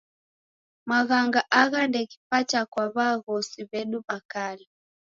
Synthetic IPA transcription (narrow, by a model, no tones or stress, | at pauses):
maɣaŋɡaʔaɣandɛki̥pat͡ʃakwaβaɣɔsiβɛnumakali